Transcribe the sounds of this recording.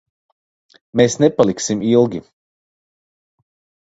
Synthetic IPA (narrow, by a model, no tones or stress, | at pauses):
meːsnepalˠiksimilˠɡʲi